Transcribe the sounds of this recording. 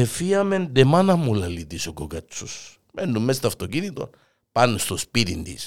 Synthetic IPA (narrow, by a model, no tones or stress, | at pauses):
efiɐmend̪emanɐmulɐlit̪isokokɐt͡ʃːus | menːummest̪ɐft̪ocinit̪o̞̰n | panːust̪ospit̪ind̪ḭs